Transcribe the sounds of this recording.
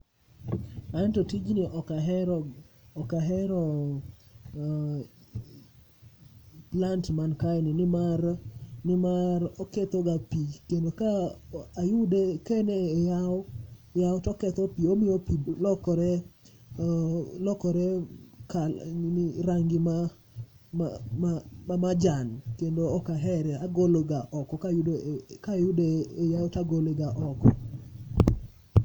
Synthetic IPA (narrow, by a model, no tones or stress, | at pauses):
antotid͡ʒnɪʔɔkaɦɛɾɔɔkaɦɛɾɔ | plantmankajnɪnɪmarnɪmaɾɔket̪ɔɡapikendokaajudekenejajaotɔkɛt̪ɔpiomɪjopilɔkɔɾɛ | lɔkɔɾɛkanɪɾaŋɡɪma | mmamamad͡ʒankendoɔkaɦɛɾɛaɡoloɡaʔɔkɔkaʊkajʊdeejaotaɡoleɡaʔɔkɔ